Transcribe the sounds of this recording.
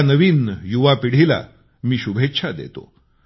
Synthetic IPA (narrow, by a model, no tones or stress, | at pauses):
nəʋiːnjuʋapiɽ̤ila̰ | miːɕubʱet̪ːɕʰad̪ḛt̪o̰